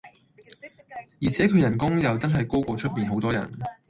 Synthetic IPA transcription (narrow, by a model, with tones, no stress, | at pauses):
jiː˨˩t͡sʰɛː˨˥kʰɵ˨˧ɥjɐ˨˩nkʊ˥ŋjɐ˨˧wt͡sɐ˥nɦɐ˨jko˥wkʷɔː˨˧t͡ʃʰɵ˥t̚miː˨nɦo˨˥wt̪ɔː˥jɐ̰˨˩n